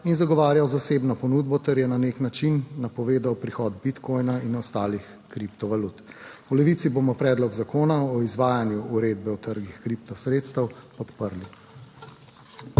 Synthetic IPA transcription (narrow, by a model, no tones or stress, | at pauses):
inzaɡɔʋaːɾjawzaseːbnɔpɔnud̪bɔt̪ɛɾjɛnaneknat͡ʃinːapɔʋeːd̪awpɾixɔd̪̚bit̪kɔjnainɔst̪aːlix | kɾipt̪ɔʋalut̪wlɛʋit̪siboːmɔpɾɛːd̪lɔɡzakoːnaɔizʋaːjanjuːɾed̪bɛwt̪əɾɡixkɾipt̪ɔsɾet̪st̪ɐwpɔt̪pəɾli